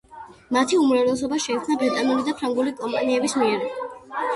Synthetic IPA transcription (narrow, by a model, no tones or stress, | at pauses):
mat̪ʰiumɾavɾlɛs̬ɔbaʃɛik̪ʰsnabɾit̪ʼanulid̪apʰɾaŋɡulikʼɔmpʼaniɛbismiɛɾ